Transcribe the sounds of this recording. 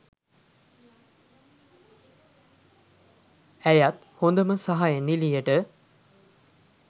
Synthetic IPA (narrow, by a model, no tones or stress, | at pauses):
æjat̪ | hond̪əməsaɦajənilijəʈə